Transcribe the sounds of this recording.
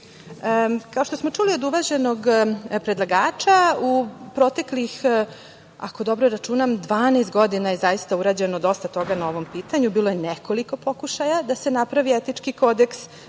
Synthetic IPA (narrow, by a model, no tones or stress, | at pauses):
kaoʃt̪osmo̞t͡ʂulio̞d̪uʋaʑe̞no̞ɡpɾe̞d̪lˠaɡaːt͡ʃaupɾo̞t̪e̞klix | a̰ko̞d̪o̞bɾoɾat͡ʃuːnamd̪ʋaːnest̪ɡo̞d̪inajezajist̪auɾaːd͡ʑe̞no̞d̪o̞st̪at̪o̞ɡanao̞ʋo̞mpiːt̪aɲubiːlˠo̞jenekoliko̞po̞kuʃajad̪ase̞napɾaʋiet̪it͡ʂkiko̞d̪e̞ks